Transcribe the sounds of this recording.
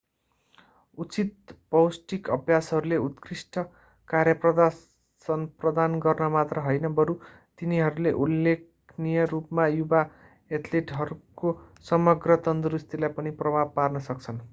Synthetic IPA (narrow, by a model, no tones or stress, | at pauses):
ut͡sit̪̚pʌwsʈikʌbʱjasɦʌɾuleut̪krisʈʌ | karjʌprʌd̪a | sʌnprʌd̪anɡʌrnʌmat̪rʌɦʌjnʌbʌɾu | t̪iniɦʌɾuleʔulːekʰnijʌrupmajuba | et̪ʰleʈɦʌɾukosʌmʌɡrʌt̪ʌnd̪rust̪ilajpʌniprʌbʱab̚parnʌsʌk̚t͡sʰʌn